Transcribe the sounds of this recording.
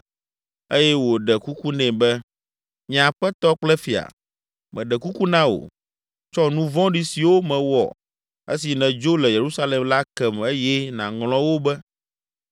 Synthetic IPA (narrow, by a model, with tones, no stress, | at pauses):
e˦jɛ˦wo˨ɖɛ˨ku˦ku˦nɛ̃˨bɛ˦ | ɲã˨ɸɛ˦t̪ɔ˦k͡plɛ˦fi˨a̰˨ | mɛ̃˨ɖɛ˨ku˦ku˦nã˦o̰˨ | t͡ʃɔ˦nũ˦vɔ̃˦ɖi˦si˨wo˦mɛ̃˨wɔ̰˨ | ḛ˦si˨nɛ̃˨d͡ʒo˦lɛ˨je˨ɾu˦sa˦le˨mla˦kɛ˨me˦jɛ˦nã̰˨ŋl̃ɔ̃˦wo˦bɛ˦